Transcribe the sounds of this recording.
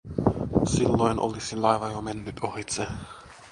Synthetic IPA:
silːoinʔo̰lisilɑiʋɑjomenːyt̪ohit̪se

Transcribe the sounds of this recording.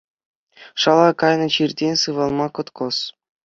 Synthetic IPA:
ʂɑlˠɑkɑjnɤ̆t͡ɕirʲdʲenʲsɯʋɑlˠmɑkɤ̆t̪kɤ̆s

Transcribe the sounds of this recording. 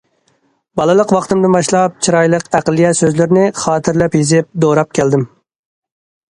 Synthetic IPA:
bɑlˠɨlˠəqwɑχt̪ɨmd̪ɨnbɑʃlˠɑp̚t͡ʃʰiɾɑjlˠəqæqlˠijɛsøzlɪɾnɪχɑːt̪ʰɪɾlɛpjizɪp̚d̪oɾɑp̚kʲʰɛld̪ɪm

